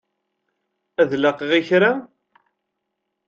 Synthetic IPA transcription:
æðlɑqʁiçɾa

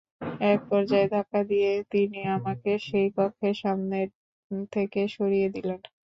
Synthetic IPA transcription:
ɛk̚pɔɾd͡ʑaed̪ʱakad̪ijet̪iniamakeʃejpɔkʰːeʃamneɾ | t̪ʰekeʃoɾijed̪ilen

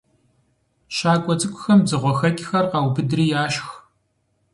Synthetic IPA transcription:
ɕaːkʷʼɔt͡sʼɨkʷʼʊ̥xɐmzɨʁʷɔxɐkʲʼɪxɐrqɑːwbɨdriːjaːʃx

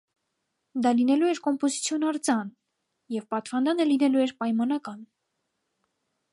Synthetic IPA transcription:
d̪ɑlinɛluɛɾkɔmpɔzit͡sʰjɔnɑɾt͡sɑn | jɛvpɑt̪vɑnd̪ɑnəlinɛluɛɾpɑjmɑnɑkɑn

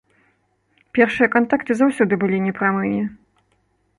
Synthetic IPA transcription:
pʲɛrʂɨjɐkant̪akt̪ɨzawsʲɔd̪ɨbɨlʲinʲɛpɾamɨnʲɛ

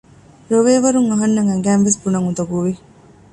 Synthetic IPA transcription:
ɾoʋeːʋɐɾuŋɐɦɐnːɐŋɐŋɡæːnʋesbunɐŋud̪ɐɡuʋi

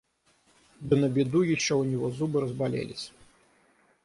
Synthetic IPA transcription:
d̪ɨnɐbʲid̪ujiʂt͡ʃɛunʲiɣɔzubɨɾɐzbalʲɛ̰lʲisʲɐ̥

